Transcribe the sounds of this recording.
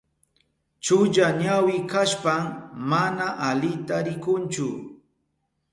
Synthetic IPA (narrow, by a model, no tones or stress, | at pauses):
t͡ʃʊʎaɲawɪkaʃpammanaʔalɪt̪aɾɪkʊnt͡ʃʊ